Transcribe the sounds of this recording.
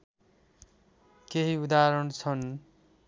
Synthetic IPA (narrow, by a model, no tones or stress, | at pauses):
keɦiud̪aɾʌɽt͡sʰʌn